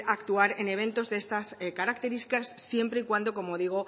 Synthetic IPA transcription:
akt̪uaɾe̞ne̞βe̞nt̪o̞zðee̞st̪askaɾakt̪e̞ɾist̪ikasːje̞mpɾe̞ikwand̪o̞ko̞mo̞ðiɣ̞o̞

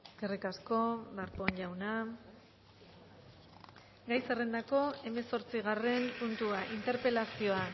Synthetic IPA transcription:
eskerikasko̞laɾpo̞nʎawna | ɡajsere̞nd̪ako̞e̞me̞so̞ɾt͡siɣ̞are̞mpunt̪uaʔint̪e̞ɾpe̞lasio̞a

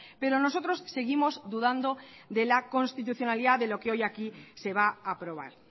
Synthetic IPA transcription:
pe̞ɾo̞no̞so̞t̪ɾo̞sːe̞ɣ̞imo̞zðuðand̪o̞ðe̞lako̞nst̪it̪̬uθjo̞naliðaðe̞lo̞ke̞o̞jakise̞β̞aapɾo̞β̞a̰ɾ

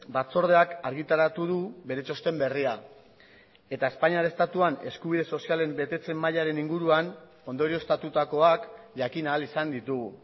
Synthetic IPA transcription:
bat͡so̞ɾð̞e̞akaɾɣit̪aɾat̪uðuβe̞ɾe̞t͡ʃo̞st̪e̞mbe̞ria | e̞t̪ae̞spaɲiaɾest̪at̪uane̞̰skuβ̞iðe̞so̞siale̞mbe̞t̪e̞t͡se̞mːaʎaɾe̞niŋɡuɾuan | o̞nd̪o̞ɾio̞st̪at̪ut̪ako̞ak | ʝakinaːlisand̪it̪uɣu

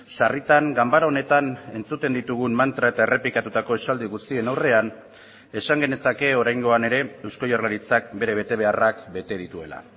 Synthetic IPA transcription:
ʃarit̪aŋɡambaɾaone̞t̪ane̞nt͡sut̪e̞nd̪it̪uɣ̞ummant̪ɾae̞t̪aere̞plikat̪ut̪ako̞esald̪iɣust̪ie̞nawre̞an | e̞saŋɡe̞ne̞sake̞o̞ɾajŋɡo̞ane̞ɾe̞ewsko̞jarlaɾit͡sak̚be̞ɾe̞βe̞t̪e̞β̞e̞arakbe̞t̪e̞ð̞it̪ue̞̰la̰

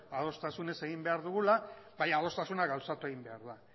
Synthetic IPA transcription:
að̞o̞st̪asune̞se̞ɣ̞imbe̞aɾðuɣ̞ulaβajað̞o̞st̪asunaɣawsat̪ue̞ɣimbe̞aɾða

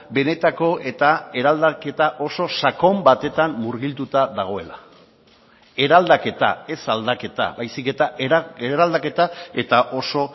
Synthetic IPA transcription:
be̞ne̞t̪ako̞e̞t̪ae̞ɾald̪ake̞t̪aʔo̞so̞sako̞mbat̪e̞t̪ammuɾɣilt̪ut̪aðaɣ̞o̞e̞la | e̞ɾald̪ake̞t̪a̰e̞sald̪ake̞t̪a̰bajsike̞t̪aʔeɾald̪ake̞t̪ae̞t̪aʔo̞so̞

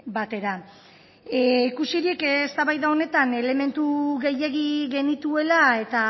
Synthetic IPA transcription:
bat̪e̞ɾa | ikusiɾikest̪aβajðao̞ne̞t̪ane̞le̞me̞nt̪uɣe̞je̞ɣiɣe̞nit̪ue̞lae̞t̪a

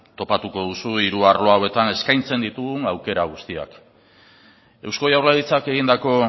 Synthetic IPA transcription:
t̪o̞pat̪uko̞ð̞usuiɾuaɾlo̞aoe̞t̪ane̞skajnt͡se̞nd̪it̪uɣunawke̞ɾaɣ̞ust̪ia̰k | e̞wsko̞jawrlaðit͡sake̞ɣind̪ako̞

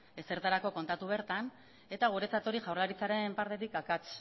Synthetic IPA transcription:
e̞se̞ɾt̪aɾako̞ko̞nt̪at̪uβ̞e̞ɾt̪an | e̞t̪aɣ̞uɾe̞t͡sat̪o̞ɾiʝawrlaɾit͡saɾe̞mpaɾt̪e̞t̪ikakat͡s

